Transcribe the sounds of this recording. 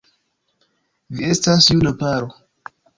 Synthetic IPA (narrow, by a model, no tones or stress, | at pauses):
viestasjunapaɾo